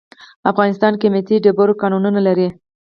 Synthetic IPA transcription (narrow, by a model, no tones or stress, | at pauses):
afɣɑnɪst̪ɑnkɪmɪt̪iɖeboɾokɑnununalaɾi